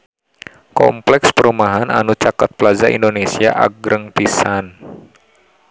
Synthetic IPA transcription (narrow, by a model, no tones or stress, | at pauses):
kɔ̰mplɛkspəɾumaɦana̰nut͡ʃakat̪̚pəlazaʔḭndonesiaʔa̰ɡɾəŋpisan